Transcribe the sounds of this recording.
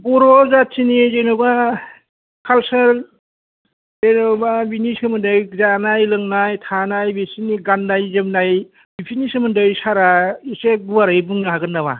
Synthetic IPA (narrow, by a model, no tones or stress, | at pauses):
bɔɾɔzatsʰinizenɔba | kʰalsal | zenɔbabiniskʰɯmɯndɯjzanajlɯŋnajtʰanajbesiniɡanːajzɯmnaj | bipʰinisɯmɯndɯjsaɾaisebuwaɾajbuŋnɯɦaɡɯnːaba̰